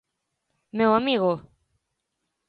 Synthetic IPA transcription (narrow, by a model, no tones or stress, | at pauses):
mewamiɣo